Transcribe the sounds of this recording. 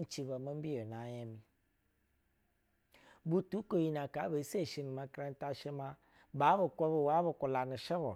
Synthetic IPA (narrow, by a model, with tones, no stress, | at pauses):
t͡ʃi˨bɛ˨mẽ˦m̩˦bi˦o˨nã˨˦jɛ˦mĩ˨ | bu˦tu˦ko˨ji˨nã˨ka˨˦be˨˦se˦˨ʃi˨nĩ˨mã˨kɾɛ˦n˦ta˦ʃɛ˦mã˦ | ba˨˦bə˨kɔ˦bɛ˨wa˦bə˨kɔ˨la˨nɪ˨ʃɛ˦bɔ˨